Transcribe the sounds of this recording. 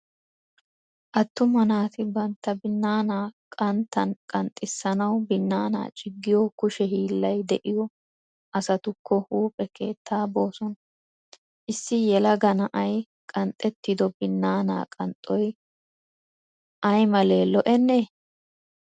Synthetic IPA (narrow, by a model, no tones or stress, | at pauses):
ʔɐt̪ːʊmɐnaːt̪ɪbɐnt̪ːɐbɪnːaːnaːkʼɐnt̪ʰːɐnkʼɐnt̪ʼːɪsːɐnɐwbɪnːaːna̰ːt͡ʃʼɪɡːɪjɔkʊʃɛhiːlːɐjd̪ɛʔɪjɔ | ʔɐsɐt̪ʊkʰːɔhuːpʼɛkʰe̞ːt̪ːaːbo̞ːsɔn | ʔɪsːɪjɛlɐɡɐnɐʔɐj | kʼɐnt̪ʼːɛt̪ːɪd̪ɔbɪnːaːna̰ːkʼɐnt̪ʼːɔj | ʔɐjmɐle̞ːlɔʔɛnːeː